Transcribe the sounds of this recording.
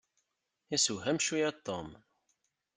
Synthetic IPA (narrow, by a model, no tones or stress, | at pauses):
isuɦæmʃujæt̪ːom